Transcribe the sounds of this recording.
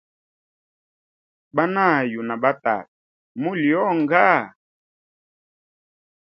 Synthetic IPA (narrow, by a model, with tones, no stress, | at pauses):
ba˦na˦˨ju˨na˨ɓa˦ta̰˨t̚ | mu˦ljɔ˦ŋɡa˦˨